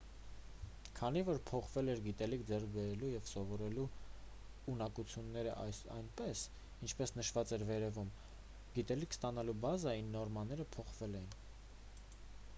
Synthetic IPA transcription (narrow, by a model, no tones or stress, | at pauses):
kʰɑn̪ivɔɾpʰɔχvɛlɛɾɡit̪ɛlikʰd͡zɛrkʰbɛɾɛlujɛvsɔvɔɾɛlu | unɑkut͡sʰjunːɛɾəʔɑ̰jnpɛs | int͡ʃʰpɛsnəʃvɑt͡sɛɾvɛɾɛvum | ɡ̥it̪ɛlikʰst̪ɑn̪ɑlubɑzɑinːɔɾmɑnɛɾəpʰɔχvɛlɛjin